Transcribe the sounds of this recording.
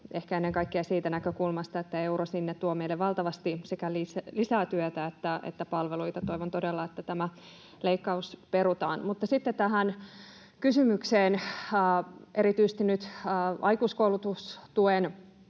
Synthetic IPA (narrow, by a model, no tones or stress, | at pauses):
ehkæenːeŋkɑikːeɑsiːt̪ænækøkulmɑst̪ɑet̪ːæe̞uɾosinːet̪t̪ːuomeilːeʋʋɑlt̪ɑʋɑst̪isekælislisæːt̪yøt̪æet̪ːæḛt̪ːæpɑlʋeluit̪ɑt̪oiʋont̪odelːɑet̪ːæt̪æmæ | leikːɑuspeɾut̪ɑ̰ːnmut̪ːɑsit̪ːet̪æɦæn | kysymykseːnː | ʔeɾit̪yise̥st̪inyt̪ːʔɑikuːskoulut̪ust̪uen